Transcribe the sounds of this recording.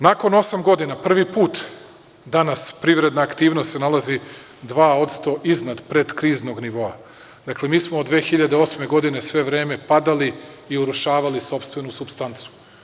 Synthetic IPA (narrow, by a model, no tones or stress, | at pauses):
nako̞no̞samɡo̞d̪inapr̩ʋipuːt̪ | d̪anaspɾiʋɾe̞d̪naːkt̪iːʋnost̪senalˠazi | d̪ʋaːo̞t̪st̪o̞ʔiznad̪pɾe̞d̪kɾiːzno̞ɡniʋo̞a | d̪akle̞miːsmood̪ʋe̞ːxiʎad̪eo̞sme̞ɡo̞d̪ine̞sʋe̞ʋɾeːme̞pad̪aliː | uɾuʃaːʋaliso̞pst̪ʋe̞nusupst̪ant̪su̥